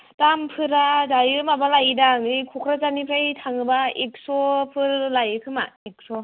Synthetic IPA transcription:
tampʰɯɾazajɯmabalajidaŋɯjkʰokʰɾazanipʰɾajtʰaŋɯbaik̚sɔpʰɯɾlajɯkʰɯmaik̚sɔ

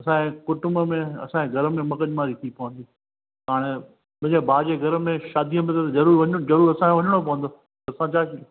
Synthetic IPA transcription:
ɐsãẽkʊʈʊməmẽɐ̰sãeɡʱɐɾəmẽmɐkəɗmaːɾit̪ʰipɐʋə̃n̆d̪iː | ɦaːɽ̃e | mɐ̃ɪ̃ɲd͡ʑebʱaːd͡ʑeɡʱɐɾəmẽʃaːd̪ʱiə̃mẽt̪ezɐɾuːɾʋɐd͡ʑɐɾuːɾɐsãkʰeʋɐɲəɽ̃op̬ɐʋə̃nd̪oː | t̪ɐɐsãt͡ɕʰaːki

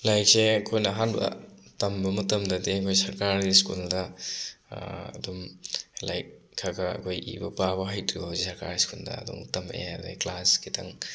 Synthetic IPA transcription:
lajk̚seɐkʰojnɐːɦanbɐ̰tɐmbɐmɐtɐmdɐdeɐkʰojsɐɾkaɾiskuldɐ | ɐ̰dumla̰jk̚ | kʰːaɡɐɐ̰kʰojʔḭbɐpabɐɦajtʰɾibazisɐɾka̰ɾiskuldɐ̰ɐ̰dṵŋtɐmḛabḛjklaskitʰɐŋ

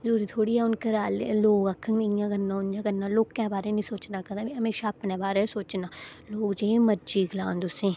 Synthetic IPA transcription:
d͡ʒuːɾit̪ʰoːɽiɛʊnkeɾaːlḛloːɡɐkʰːə̃ŋejãɡɐnːãʊnd͡ʒaɡɐnːaloːɡkːɛ̃ːbaːɾenĩsoːt͡ʃnakɐd̪ãiɦɐmeːʃaɐpnebaːɾesoːt͡ʃnaːloːɡd͡ʒẽmɐd͡ʒiːɡlãːnd̪ʊsẽː

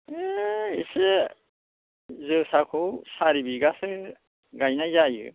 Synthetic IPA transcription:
eise | zɯsakʰowsaɾibiɡasɯ | ɡajnajzajɯ̰

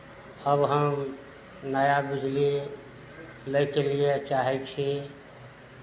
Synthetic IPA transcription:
əbɦəm | nəjabid͡ʒli | ləkeliet͡ʃaɦɛt͡ʃʰi

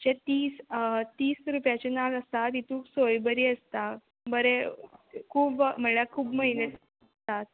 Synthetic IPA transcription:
d͡ʑet̪iːst̪iːsɾupjat͡ɕenaləst̪at̪it̪ũksojbəɾiːəst̪a | bəɾe | kʰuːbm̤əlakʰuːbməɦinə | t̪at̪̚

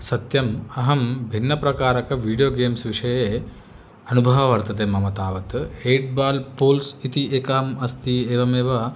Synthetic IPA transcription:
sɐt̪jɐmɐɦɐmbʱinːɐpɾɐkaːɾɐkɐʋiːɖijoːɡeːmsʋiʂɐjeː | ɐnubʱɐʋɐʋɐɾt̪ɐt̪emɐmɐt̪aːʋɐt̪eːʈ̚baːlpoːlsit̪iʔeːkɐɦɐmɐst̪ieːʋɐmeːʋɐ

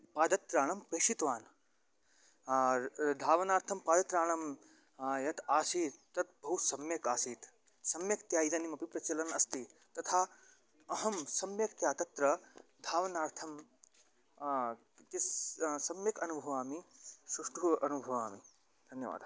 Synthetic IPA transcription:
paːd̪ɐt̪ɾaːɳɐmpeːʃit̪ʋaːn | d̪ʱaːʋɐnaːɾt̪ʰɐmpaːd̪ɐt̪ɾaːɳɐm | jɐt̪aːsiːt̪ːɐt̪̚bɐɦusɐmjɐkaːsiːt̪ | sɐmjɐkt̪jaːid̪ɐnimɐpipɾɐt͡ʃɐlɐnɐst̪it̪ɐt̪ʰaː | ɐɦɐmsɐmjɐk̚t̪jaːt̪ɐt̪ɾɐd̪ʱaːʋɐnaːɾt̪ʰɐm | t̪issɐmjɐkɐnubʱɐʋaːmisɾuʂʈʰuɐnubʱɐʋaːmi | d̪ʱɐnjɐʋa̰ːd̪ʱ

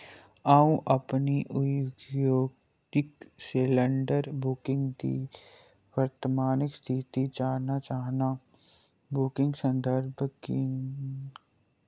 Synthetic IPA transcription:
aːũʔɐpniʔʊɡjoːɡ̪ | ɪkselə̃ɳɖəɾbʊkɪ̃ŋɡd̪ḭː | wəɾt̪əmaːnɪkst̪ʰɪt̪it͡ʃaːɦnat͡ʃaːɦna | bʊkɪ̃ŋɡsə̃nd̪ʱəɾbʱki

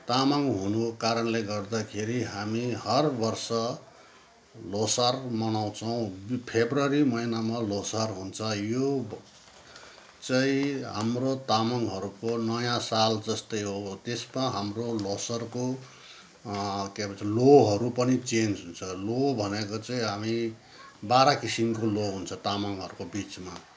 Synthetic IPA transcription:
t̪amaŋɦunukaɾʌnleɡʌrd̪akʰeɾiɦamihʌrbʌrsʌ | losarmʌnaw̃t͡sʰʌw̃pʰebrʌɾimʌinamalosarɦunt͡sʰʌjo | t͡saĩɦa̰mrot̪amʌŋɦʌɾukonʌjãsald͡zʌst̪ʌjɦot̪esmaɦamrolosʌrko | kepʌaloɦʌɾupʌnit͡send͡zɦunt͡sʰʌlobʱʌnekot͡sʌĩɦami | baɾakisimkoloɦunt͡sʰʌt̪amʌŋɦʌɾukobit͡sma

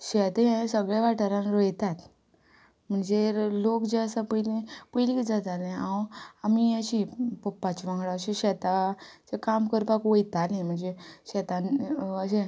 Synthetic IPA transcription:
ɕɛt̪eẽsəɡɭjaʋaʈəɾãnɾojt̪at̪ | m̤əɳd͡zelokd͡ʑeəsapəjlĩpəjlid͡zat̪alẽãwamiaɕipɔpːat͡ɕiʋãŋɡɭaəɕẽɕɛt̪at͡sekamkəɾpakojt̪alẽm̤əɳd͡zeɕɛt̪ãnəɕẽ

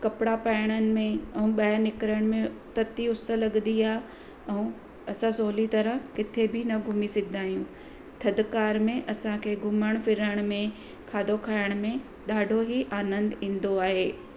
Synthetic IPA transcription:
kɐpɪɽapaːɪɽ̃ənɪ̆mẽɛ̃ũɓɐənɪkɾəɽ̃mẽt̪ɐt̪iʊsə̆lɐɠnd̪iaːɦ | ɛ̃ | ɐsãsoːlit̪ɐɾəɦkɪt̪ʰebʱɪnɐɡʱʊmisɐɡʱɪd̪aːɦijũ | t̪ʰɐd̪kaːɾmẽʔɐsãkʰeːɡʱʊməɽ̃fɪɾəɽ̃mẽ | kʰaːd̪ʱokʰaːɪɽ̃mẽ | ɗaːɖʱoɦiʔaːnə̃nd̪ĩːn̆d̪oaːɦeː

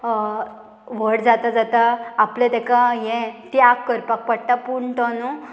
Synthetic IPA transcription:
ʋəɽd͡zat̪ad͡zat̪aːplẽt̪ɛkãjɛ̃t̪iakːəɾpak̚pəɽt̪apuɳt̪ɔnu

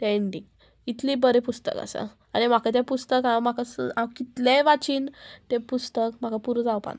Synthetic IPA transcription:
t̪eeɳɖiŋɡ | it̪libəɾepust̪ə̰ka̰sə̰ | anim̤akʰat̪̬japust̪əkãm̤akasakit̪leʋat͡ɕiːnt̪epust̪əkm̤akapuɾud͡zawpa̰na

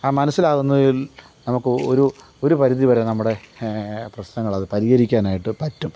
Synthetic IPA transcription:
aːmɐnɐsːilaːɣunːɐðil | nɐmukːɨo̰ɾu | o̞ɾupɐɾiðiʋɐɾenɐmːuɽe̞ | prɐɕnɐŋːɐɭɐðɨpɐɾiɣɐɾikʲːaːnaːjiʈːɨpɐtːum

